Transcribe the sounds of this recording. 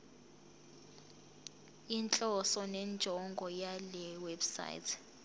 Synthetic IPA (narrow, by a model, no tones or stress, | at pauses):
int͡ɬʼɔsɔnɛnd͡ʒʱɔŋɡʱɔjalɛwebsa̰j̰tʰ